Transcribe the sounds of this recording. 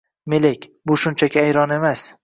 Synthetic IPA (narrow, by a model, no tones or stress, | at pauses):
melekʲbʊʃʊnt͡ʃʰakʲʰɪajɾɒne̞mas